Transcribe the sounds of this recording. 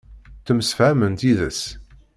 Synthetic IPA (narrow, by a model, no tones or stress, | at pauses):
θəmsəfʕæmənt̪iðəs